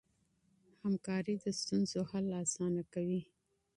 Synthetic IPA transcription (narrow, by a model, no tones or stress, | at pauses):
hamkɑɾid̪əst̪unzohalːɑːsɑnakawi